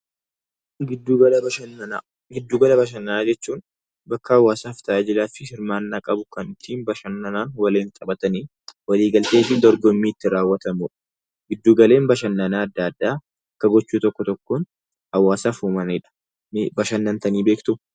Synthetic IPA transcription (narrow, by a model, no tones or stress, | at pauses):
ɡɪɐ | ɡɪd̪ːuːɡɐlɐbɐʃ̬ɐnːɐnaːd͡ʒɛt͡ʃːuːn | bɐkːɐɐwːaːsaːft̪ʰɐʔaːd͡ʒɪlaːfɪhɪɾmaːnːaːkʼɐbʊkɐnt̪ʰiːnbɐʃɐnːɐnaːnwɐleːnt̪ʼɐbɐt̪ɐniː | wɐliːɡɐlt̪eːfɪnd̪ɔɾɡɔmːiːɪt̪ːɪɾaːwːɐt̪ɐmuːᶑɐ̥ | ɡɪd̪ːuːɡɐle̞ːnbɐʃɐnːɐnaːɐd̪ːaːɐd̪ːaː | ɐkːɐɡɔt͡ʃːuːt̪ɔkːɔt̪ɔkːoːn | ɐwːaːsaːfuːmɐniᶑɐ̥ | bɐʃɐnːɐnt̪ɐniːbe̞ːkt̪ʊ